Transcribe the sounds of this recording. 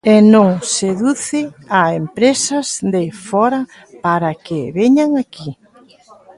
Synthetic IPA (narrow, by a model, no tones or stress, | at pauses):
enõŋseðuθɪaempɾesɐzðefɔɾɐ | paɾakɪβeɲaŋaki